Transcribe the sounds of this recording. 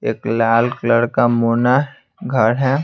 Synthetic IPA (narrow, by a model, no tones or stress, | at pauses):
eːklaːlkləɽkamoːna | ɡʱɐɽɦɛ